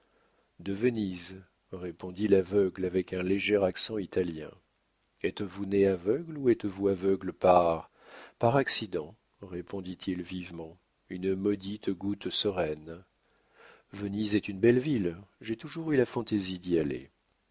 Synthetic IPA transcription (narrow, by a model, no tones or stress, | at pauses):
d̪əvəniz | ʁepɔ̃d̪ilavœɡlavɛkɛ̃leʒɛʁaksɑ̃it̪aljɛ̰̃ | ɛt̪vuneavœɡluɛt̪vuavœɡləpaʁ | paʁaksid̪ɑ̃ | ʁepɔ̃d̪it̪ʰilvivmɑ̃ | ynmɔd̪it̪ɡut̪səʁɛn | vənizɛt̪ynbɛlvilʒet̪uʒuʁylafɑ̃t̪ezid̪ialḛ